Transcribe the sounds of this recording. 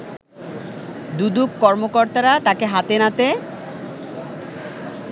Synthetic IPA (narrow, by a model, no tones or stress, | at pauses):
d̪ud̪ukkɔɾmokoɾt̪aɾat̪akeɦat̪enat̪e